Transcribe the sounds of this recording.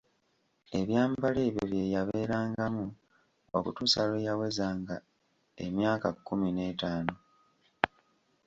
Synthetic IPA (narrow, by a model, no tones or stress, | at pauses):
e̞βjaːmbaleβeβje̞ːjaβe̞ːɾaːŋɡamu | o̰kutuːsalejawe̞zaːŋɡa | e̞̰mjaːkakːumine̞ːtaːno